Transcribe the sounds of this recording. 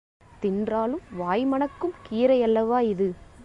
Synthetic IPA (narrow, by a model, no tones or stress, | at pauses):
t̪ɪndraːlɯmʋaːjmɐɳɐkːɯmkiːɾɐɪjɐlːɐʋaːɪðɯ